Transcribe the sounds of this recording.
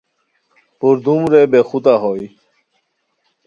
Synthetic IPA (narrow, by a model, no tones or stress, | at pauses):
puɾd̪umɾeːbexut̪aɦoi